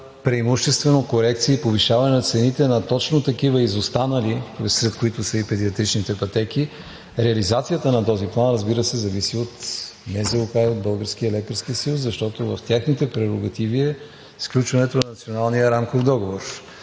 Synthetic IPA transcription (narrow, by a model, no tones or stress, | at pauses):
pɾiːmuʃt̪ɛst̪vɛnokoɾɛkt̪siɛipoviʃavɐnɛnɐt̪sɛnit̪ɛnɐt̪ɔt͡ʃnot̪ɐkivəizost̪anɐlisɾɛt̪koit̪ʊsəipɛd̪iɐt̪ɾit͡ʃnit̪ɛpɐt̪ɛki | ɾɛɐlizat̪sijət̪ənɐt̪ɔziplˠanɾəzbiɾəsɛzɐvisiot̪mɛzɛkajod̪̚bɤlˠɡəɾskiəɛlɛkəɾskiəsjuszɐʃt̪ɔt̪ovɐft̪ʲjaxnit̪ɛpɾɛɾoɡɐt̪iviɛ | sklʲut͡ʃvɐnɛt̪onɐnɐt̪sionalˠniəɾamkofd̪ɔɡovoɾ